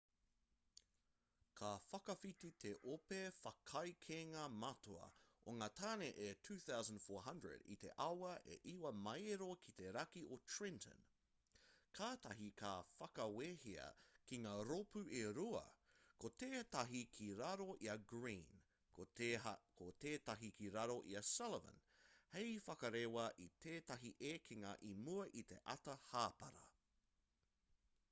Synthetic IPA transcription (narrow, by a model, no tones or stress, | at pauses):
kʰafɐkɐfit̪it̪ʰeʔopefɐkʰɐjkʰeŋɐmɐtʰoɐ̰ʔoŋaːtʰaːneʔetʰʉːθawzə̃ndfoːɹɦɐ̃ndɹə̰dḭt̪ḛʔɐwɐʔḛʔiwɐmɐjɾokʰit̪e̞ɾɐkiʔotʰɹɪ̃ntʰə̰̃n | kʰaːtɐɦikʰaːfɐkɐwehiɐ̰kiŋaːɾopʉʔeɾuɐ̰kot̪eːtɐɦikʰiɾɐɾo̞ʔiɐɡɹḭːn | kot̪eːt̪ɐɦikiɾɐɾo̞ʔiɐsɛlvə̰̃nhejfɐkɐɾewɐʔit̪ʰeːtɐɦiʔeːkʰiŋɐʔimuɐʔit̪e̞̰ʔɐt̪ɐhaːpɐɾɐ̰